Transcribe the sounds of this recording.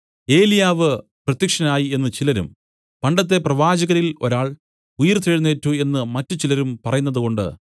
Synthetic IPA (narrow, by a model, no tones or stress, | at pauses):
e̞ːlijaːʋɨ | prɐt̪jɐkʂɐnaːjie̞nːɨt͡ɕilɐɾṵm | pɐɳɖɐt̪̬ːe̞prɐʋaːd͡ʑɐɣɐɾilo̞̰ɾaːɭ | ujɐrt̪eɻunːeːtːue̞nːɨmɐtːɨt͡ɕilɐɾumpɐrɐjunːɐðuko̞ɳɖɨ̰